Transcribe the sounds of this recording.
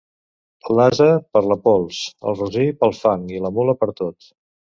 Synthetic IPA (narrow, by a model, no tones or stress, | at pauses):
əlazəpəɾləpɔlˠsə̰lˠruzipəlˠfaŋiləmuləpəɾt̪ot̪